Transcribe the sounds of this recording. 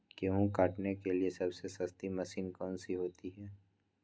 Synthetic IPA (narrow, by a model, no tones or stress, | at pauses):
keɦũkaːʈnekeliesɐbsesɐst̪imɐsiːnkɔːnsiɦoːt̪iɦɛː